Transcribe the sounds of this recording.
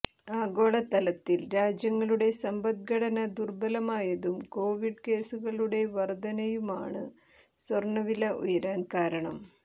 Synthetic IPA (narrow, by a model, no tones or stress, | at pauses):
aːɡo̞ːɭɐt̪ɐlɐt̪ːilɾaːd͡ʑjɐŋːɐɭuɽe̞sɐmbɐd̪̚ɡʱɐɽɐnɐd̪urbɐlɐmaːjɐðumko̞ːʋiɖke̞ːsuɣɐɭuɽe̞ʋɐrd̪ɐnɐjuma̰ːɳɨ | swɐrɳːɐʋilɐʔṵjɐɾaːnkaːɾɐɳɐm